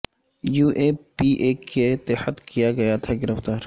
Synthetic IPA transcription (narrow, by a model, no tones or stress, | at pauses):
juːʔepiʔeːkʰet̪ehət̪kijaɡɐjat̪ʰaɡɪɾəft̪aːɾ